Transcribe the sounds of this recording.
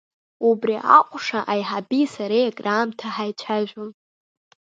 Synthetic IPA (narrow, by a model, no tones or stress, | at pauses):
ubriʔa̰qʷʼʂaʔajħabisaɾejɡʼrʔaːmtʰaħajt͡ʃʷʰaʒʷᶣʊn